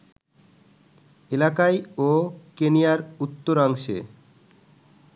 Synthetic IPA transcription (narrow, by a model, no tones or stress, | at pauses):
elakajokenijaɾut̪ːoɾaŋʃḛ